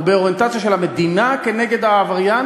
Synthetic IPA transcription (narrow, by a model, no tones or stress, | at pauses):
beo̞ʁje̞nt̪at͡sjaʃe̞lame̞d̪inake̞ne̞ɡe̞d̪aːvaʁja